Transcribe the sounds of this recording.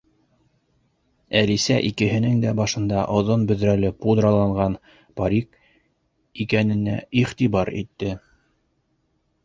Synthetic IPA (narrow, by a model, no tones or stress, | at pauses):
ælisæʔikɘ̆ɦɘ̆nɘŋd̪æbɑʃɤ̆nd̪ɑʔŏðonbɵ̆ðɾælɘpud̪rɑlˠɑɴʁɑn | paɾʲik | ikænɘ̆næ̰iχt̪iβɑɾit̪ːɘ